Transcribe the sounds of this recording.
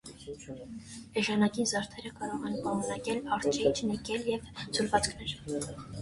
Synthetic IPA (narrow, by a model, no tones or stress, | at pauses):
ɛʒɑnɑkinzɑɾt̪ʰɛɾəkɑɾɔʁɛnpɑmunɑkɛlɑɾt͡ʃɛt͡ʃʰnɛkɛljɛvt͡sʰulvɑt͡skʰnɛɾ